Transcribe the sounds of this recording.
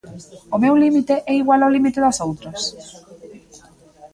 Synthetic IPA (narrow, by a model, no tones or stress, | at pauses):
ʊmewlimit̪eʔɛiɣwalalimit̪eðasowt̪ɾas